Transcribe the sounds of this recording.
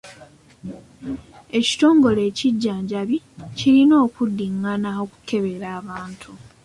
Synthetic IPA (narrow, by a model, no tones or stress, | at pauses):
e̞ci̥to̞ːŋɡo̞le̞ːciɟːaːɲɟaβi | cilino̞ːkudːiŋːanao̞ku̥kʰe̞βe̞ɾaːβaːntʰu